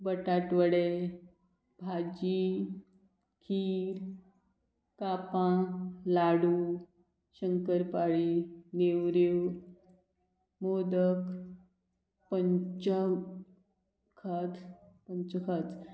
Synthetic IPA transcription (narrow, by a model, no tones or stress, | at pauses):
bəʈaʈʋəɽe | bʱad͡ʑi | kʰiːɾ | kapãlaɽu | ɕəŋkəɾpaɭinewɾew | mod̪ək | pəɲt͡ɕə | kʰat̪pəɲt͡ɕəkʰət̪